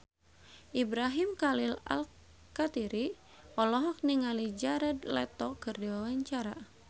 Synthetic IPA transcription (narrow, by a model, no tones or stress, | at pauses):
ʔibɾaɦimkalila̰l | kat̪iɾi | ɔlɔɦɔk̚niŋalid͡ʒaɾɛd̪lɛt̪ɔkɨrdiwawaɲt͡ʃaɾa̰